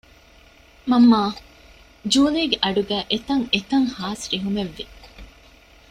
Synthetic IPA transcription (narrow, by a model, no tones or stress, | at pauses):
mɐmːaː | d͡ʒuːliːɡeʔɐɖuɡæːʔet̪ɐŋet̪ɐŋhaːsɾiɦumeʋːi